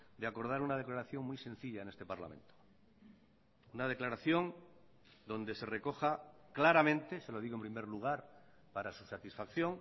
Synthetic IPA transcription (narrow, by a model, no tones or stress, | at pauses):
d̪eako̞ɾð̞aɾunað̞e̞klaɾaθjo̞ŋmjsẽ̞n̟θiʎaenest̪e̞paɾla̰mẽ̞̰nt̪o | unað̞e̞klaɾaθjo̞n | d̪o̞nd̪e̞se̞re̞ko̞xaklaɾamẽnt̪e̞se̞lo̞ð̞iɣoe̞mpɾimeɾluɣ̞aɾ | paɾasusat̪isfakθjõ̞ŋ